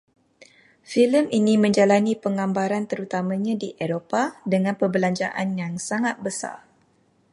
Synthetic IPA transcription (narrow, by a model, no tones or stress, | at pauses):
filəminĩmə̃ɲd͡ʒalanipəŋãmbaɾant̪əɾut̪amãɲãdiʔeɾopadəŋãnpəbəlaɲd͡ʒa̰ʔa̰njaŋsaŋat̪̚bəsa̰r